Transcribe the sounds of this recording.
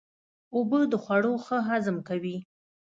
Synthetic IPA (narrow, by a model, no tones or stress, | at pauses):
obəd̪əxwaɽoxəɦazəmkawi